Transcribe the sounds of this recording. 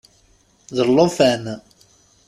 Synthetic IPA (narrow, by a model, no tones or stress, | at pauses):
ðəɾlːofæn